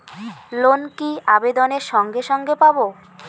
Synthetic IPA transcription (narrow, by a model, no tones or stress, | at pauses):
lonkiabed̪oneɾʃɔŋɡeʃɔŋɡepabo